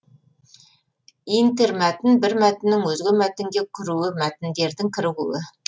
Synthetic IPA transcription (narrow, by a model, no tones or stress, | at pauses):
int̪eɾmæt̪ɪnbɪɾmæt̪ɪnːɪŋwɵzɡʲɪmæt̪ɪŋɡʲe̞kʲʰʏɾuwɪmæt̪ɪnd̪e̞ɾd̪ɪŋkʲʰɪɾɪʁṵɪ